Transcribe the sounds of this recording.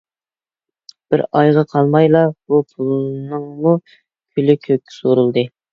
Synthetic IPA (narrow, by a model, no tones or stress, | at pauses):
b̥ɪɾɑjʁɑqʰɑlˠmɑjlˠɑbupʰulˠnɨŋmu | kʲʰylɪkʲʰøkʲʰːɪ̥soɾulˠd̪ɨ